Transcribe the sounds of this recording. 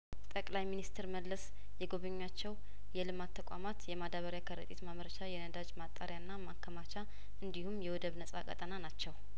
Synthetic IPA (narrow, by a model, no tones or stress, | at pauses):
t̪ʼəkʼlajminist̪ʰɾməlːəs | jɛɡo̞βəɲːat͡ʃːɛw | jɛlɨmat̪ʰːəkʷʼa̰mat̪jɛmad̪aβəɾjakʰəɾət̪ʼet̪maməɾəʃajɛnəd̪ad͡ʒmat̪ʼːaɾjanːamakʰːəmat͡ʃa | ʔɨnd̪ihumjɛwɔd̪əβnəsʼa̰kʼə̰t̪ʼənanat͡ʃːɛw